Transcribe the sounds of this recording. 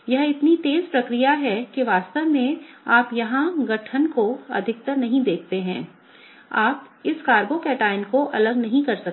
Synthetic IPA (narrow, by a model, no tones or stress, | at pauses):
jɐɦɪt̪nit̪eːzpɾɐkɾijaɦɛkeʋaːst̪əʋmẽaːpjɐɦãɡɐʈʰənkoɐ̰d̪ʱɪk̚t̪əɾnɐɦĩd̪eːk̚ʰt̪eɦɛ̰̃ː | aːpɪskaːɾbokeʈaːɪnkoʔɐləɡnɐɦĩkɐɾsɐk